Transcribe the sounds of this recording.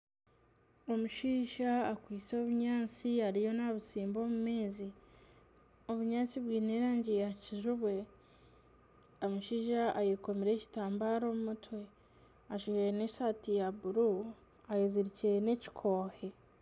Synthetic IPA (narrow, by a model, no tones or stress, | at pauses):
o̞muʃiːʒaːkwiːt͡so̞ːβuɲaːt͡siaɾijo̞naβusiːmbo̞ːmume̞ːzi | o̞βuɲaːt͡siβwiːneɾaːɲɟejaciʒuβwe̞ | omuʃiːʒaʔajiko̞miɾe̞ci̥taːmbaːɾo̞mumutwe̞ | aʃiʒene̞satijabuɾu | ajiziɾicene̞ci̥kʰo̞ːhe̞